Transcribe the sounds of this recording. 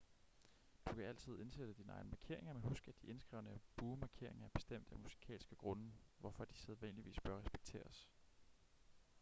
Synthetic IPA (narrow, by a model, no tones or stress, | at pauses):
d̥ukʰææl̰t͡sʰið̞ˠe̝nsed̥əd̥inəɑ̈ɪnəmɑ̈kʰe̝ɐ̰e̝ŋɐmeɦusɡ̥æd̥iʔe̝nsɡ̥ʁɛ̰ʊnəb̥uːmɑ̈kʰe̝ɐ̰e̝ŋɐæb̥e̝sd̥em̰d̥æmusi̥kʰɛ̰ːlsɡ̥əɡ̥ʁɔ̽nəʋɒfɒ̽d̥iseðˠʋæn̰liʋḭːsb̥ɶɐʁɛsb̥e̥ɡ̥̚t͡sʰe̝̰ːɐs